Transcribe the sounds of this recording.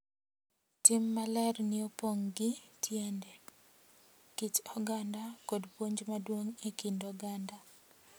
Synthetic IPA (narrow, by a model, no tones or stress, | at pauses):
tɪmːalɛrnɪopoŋɡɪtʰjende | kit͡ʃɔɡandakodpwoɲd͡ʒmadwoŋekindɔɡanda